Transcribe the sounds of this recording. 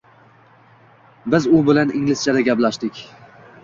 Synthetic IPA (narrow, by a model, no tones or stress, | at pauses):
bɪzʊbɪlanɪŋlɪst͡ʃʰad̪aɡʲaplaʃd̪ɪkʲ